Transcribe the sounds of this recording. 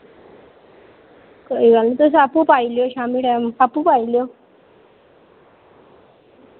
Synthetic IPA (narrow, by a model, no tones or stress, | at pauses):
kəiɡalit̪os̬apupailjoɕamiʈaapupailjo